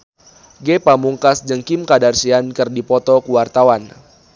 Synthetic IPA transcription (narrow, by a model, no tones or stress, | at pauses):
ɡepamuŋkasd͡ʒəŋkimkadarsiankɨrdipɔt̪ɔkuwart̪awan